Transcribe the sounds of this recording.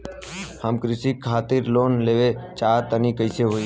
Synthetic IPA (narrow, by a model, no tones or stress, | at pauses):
həmkɾɪsikʰːaːt̪ɪɾloːnleːʋet͡ʃaːt̪ənikəɪseɦoːi